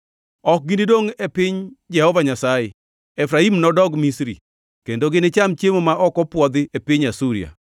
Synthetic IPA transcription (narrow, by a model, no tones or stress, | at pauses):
ɔk̚ɡinidoŋɛpɪɲd͡ʒɛhɔvaɲasajɛ | ɛfɾaimnɔdɔɡmisɾḭ | kendoɡɪnet͡ʃamt͡ʃjemomaʔɔkɔpwɔd̪ɪepɪɲasuɾḭa̰